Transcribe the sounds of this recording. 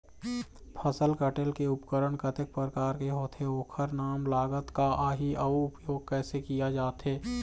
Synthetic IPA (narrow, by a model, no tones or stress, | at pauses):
pʰəsəlkəʈelkeʊpkəɾəɳkət̪ɪk̚pəɾəkaːɾkeɦoːt̪ɦeoːkʰəɾnaːmlaːɡət̪kaʔaːɦiʔɐuʊpjoːɡ̚kɛːsekijad͡ʒaːt̪ɦeː